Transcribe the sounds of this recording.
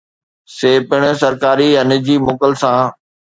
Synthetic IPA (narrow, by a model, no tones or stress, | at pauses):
seːpɪɽ̃sɐɾkaːɾiɐnd͡ʑiːmoːkəlsãː